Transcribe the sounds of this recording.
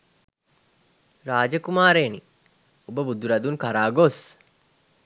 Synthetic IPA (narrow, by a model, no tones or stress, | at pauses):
ɾaːd͡ʒɐkumaːɾeːni | ubəbud̪ːuɾɐd̪uŋkaɾaːɡos